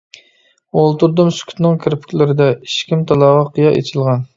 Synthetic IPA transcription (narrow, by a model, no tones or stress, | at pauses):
olˠt̪uɾd̪umsy̥kʲʰy̥t̪nɨŋkʲʰɪɾpʰy̥kʲlɪɾɪd̪ɛiʃkʲimt̪ʰɑlˠɑːʁɑqʰjɑʔḛt͡ʃʰilˠʁɑn